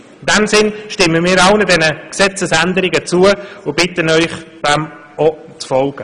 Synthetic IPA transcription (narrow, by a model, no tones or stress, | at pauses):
ɪndɛmsɪnʃtɪmːəmiːɾɑʊnədɛnəksɛt͡səsænd̪əɾɪɡət͡suəʊb̥ɪtənœʏχd̥ɛm | ɔ | t͡sfɔlɡ̥ə